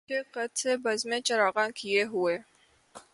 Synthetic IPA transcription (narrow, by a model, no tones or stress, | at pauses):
eqɐt̪sebɐzmẽt͡ʃɐɾaːɣãkijeɦʊeː